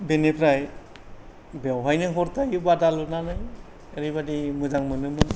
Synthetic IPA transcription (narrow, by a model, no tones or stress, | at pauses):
benepʰɾaj | bawɦajnɯɦɔɾtʰajbadalunanaj | eɾibadimɯzaŋmɯnɯmɯn